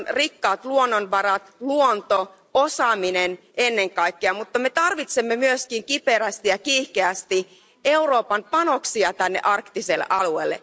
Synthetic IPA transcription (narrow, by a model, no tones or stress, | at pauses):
nrikːɑːt̪luonːonʋɑɾɑt̪luont̪o | osɑːminenʔenːe̞ŋkɑjkːeɑmut̪ːɑme̞t̪ɑrʋit̪semːemyøskiŋkipeɾæst̪ijɑkiːhkeæst̪i | e̞uro̞ːpɑmpɑno̞ksiɑt̪ænːḛʔɑrkt̪iselːḛʔɑluḛːlːḛ